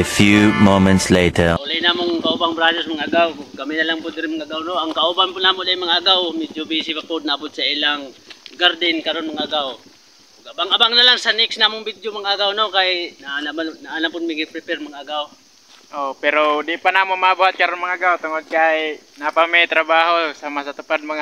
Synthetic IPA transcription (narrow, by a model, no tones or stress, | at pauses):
fjumomɛ̃nt̪sleːt̪ʰəlajnamoŋkɐʔobaŋbɾad͡ʒosmɐŋʔaɡawɡɐmɪnɐlaŋpʊd̪ɪɾɪnmaŋaɡawnoʔɐŋkɐʔobanpʊnaːmoʔlajmɐŋaaɡawmidobisɪpɐpod̪̚nɐʔɐbʊt̪̚sɐɪlaŋɡaɾd̪ɪnkɐɾonmɐŋʔaɡaw | ɡʔabaŋʔɐbaŋnɐlaŋsɐnɪksnamʊŋbid̪jomaŋaɡawnokajnaʔnbanaʔalampʊt̪miɡɪpɾɪpɛrmaŋʔaɡaw | ʔopɛɾod̪ɪpanamonmabuhat̪̚kɐɾonmaŋaaɡawt̪ʊŋod̪̚kaj | napamejt̪ɾɐbaːɦosaːmasɐt̪ʊpad̪̚mɐŋa